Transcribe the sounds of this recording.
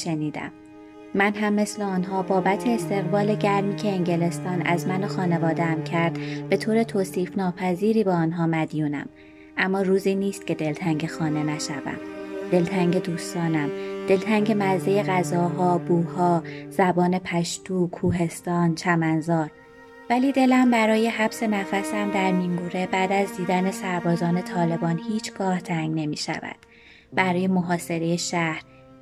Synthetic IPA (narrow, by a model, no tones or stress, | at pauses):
ʃeniːd̪æ̰mː | ænɦæmːe̞sleɒnɦɒːbɒːbæt̪ʰeːst̪e̞ɣbɒːle̞ɟæɾmiːcʰe̞ːŋɟe̞le̞st̪ɒːnæ̰zmæno̞xɒːne̞vɒːd̪eæmcʰæɾd̪̥b̥e̞t̪ʰoːɾe̞t̪ʰoːsiːfnɒːpʰæziːɾiːbeːnɦɒːmæd̪juːnæ̰m | ʔæmːɒːɾuːziːniːst̪̚cʰe̞d̪e̞lt̪ʰæŋɟe̞xɒːne̞næʃævæ̰md̪e̞lt̪ʰæŋɟe̞d̪uːst̪ɒːnæmd̪̥e̞lt̪ʰæŋɟe̞mæzeje̞ɣæzɒːɦɒːbuːhɒːz̥æbɒːne̞pʰæʃt̪uːkʰːuːɦe̞st̪ɒːnt͡ʃʰæmænzɒːɾ | væliːd̪e̞læmbæɾɒːje̞hæbse̞næfæsæmd̪æɾmiŋɡuːɾe̞bæːd̪æzd̪iːd̪æne̞sæɾbɒːzɒːne̞t̪ʰɒːle̞bɒːnhiːt͡ʃʰɡ̥ɒːht̪ʰæŋɡne̞miːʃæ̰væ̰d̪̥ | b̥æɾɒːje̞moɦɒːse̞ɾe̞je̞ʃæhɾ